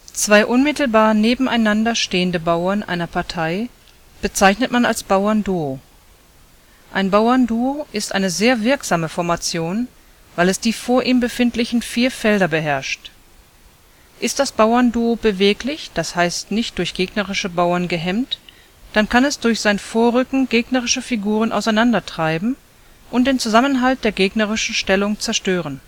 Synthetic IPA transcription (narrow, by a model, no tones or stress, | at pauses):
t͡sv̥aɪʔʊnmɪtl̩baːɐneːbm̩ʔaɪnandɐʃteːəndəbaʊɐnʔa̰ɪnɐpʰaɐtʰaɪ | b̥ət͡saɪçnətmanalsb̥aʊɐnduo | ʔaɪnbaʊɐnduoʔɪstʔa̰ɪnəzeːɐvɪɐkz̥aːməfɔɐmat͡sjoːn | vaɪlɛsd̥iːfoːɐʔiːmbəfɪntlɪçn̩fiːɐfɛldɐbəɦɛɐʃt | ʔɪst̚d̥asb̥aʊɐnduobəveːklɪçd̥ashaɪstnɪçt̚d̥ʊɐçɡ̥eːɡnəʁɪʃəbaʊɐnɡəɦɛmt | d̥ankʰanɛsd̥ʊɐçz̥aɪnfoːɐʁʏkŋ̩ɡeːɡnəʁɪʃəfiɡuːʁ̞ənʔa̰ʊsaɪnandɐtʁ̥aɪbm̩ | ʔʊnt̚d̥eːnt͡suzamənɦalt̚d̥eːɐɡeːɡnəʁɪʃn̩ʃtɛlʊŋt͡sɛɐʃtøːʁ̞ən